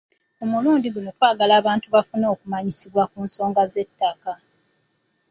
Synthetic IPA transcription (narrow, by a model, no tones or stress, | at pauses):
omuluːndiɡuno̞twaːɡalaːβaːntuβafuno̞ːkumaɲisiβwakuːnso̞ːŋɡaze̞tːaka